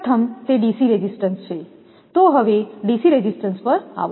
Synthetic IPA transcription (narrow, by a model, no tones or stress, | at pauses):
t̪ʰəmt̪eɖisiɾed͡ʒisʈənst͡ʃʰe | t̪oɦəʋeɖisiɾed͡ʒisʈənspəɾa̰ʋ